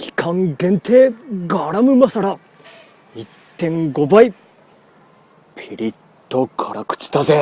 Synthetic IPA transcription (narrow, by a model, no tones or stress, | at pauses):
kʲi̥kʰãŋɡẽ̞nt̪ʰe̞ːɡaɾamɯ̟masaɾa | itt̪ːẽ̞ŋɡo̞bai | pʲʰiɾʲit̪ːo̞kʰaɾakɯ̟̥t͡ɕi̥t̪aze